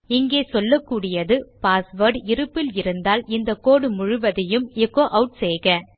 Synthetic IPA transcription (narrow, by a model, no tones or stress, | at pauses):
ɪŋɡeːsɔlːɐkːuːɽɪjɐðɯpaːsʋɐɾɖɪɾɯpːɪlɪɾɯnd̪aːlɪnd̪ɐkːoːɽɯmʊɻʊʋɐðɐjɯmɛkːoːʔɐʊʈseːɣɐ